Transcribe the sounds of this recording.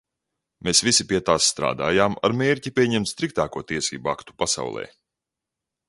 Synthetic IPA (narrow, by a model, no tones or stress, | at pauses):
meːsvisipiɛt̪aːsːt̪ɾa̰ːd̪aːjaːma̰ɾmeːɾcipʲiɛɲɛmt̪st̪ɾik̚t̪aːkuɔt̪iɛsḭːbuakt̪u̥pasa̰wlˠɛ̰ː